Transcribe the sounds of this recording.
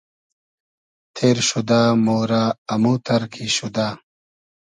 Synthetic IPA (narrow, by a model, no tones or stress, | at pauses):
t̪ʰeːɾɕud̪aːmoːɾaːɐmuːt̪ɐɾkʰiɕud̪aː